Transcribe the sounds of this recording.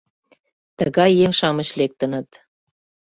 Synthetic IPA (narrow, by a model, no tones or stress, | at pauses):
t̪əɣɑjːeŋʃɑmə̆ɕlek̚t̪ə̆nə̆t̪